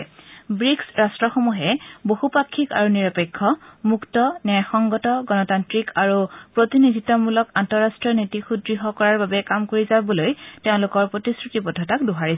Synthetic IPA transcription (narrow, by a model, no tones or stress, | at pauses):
bɹiksɹastɹɔxomuɦɛbohupakʰːika̰ɹuniɹɔpekʰːɔmuktɔnɛɹxɔŋɡɔtɔɡɔnɔtantɹikaɹupɹotinidʱitɔmulɔkantɔɹastɹɔnitixudɹiɦɔkɔɹaɹbabɛkamkoɹizabɔlojteʊ̃lʊkɔɹpɹotisɹutipɔdʱːɔtakduɦaɹis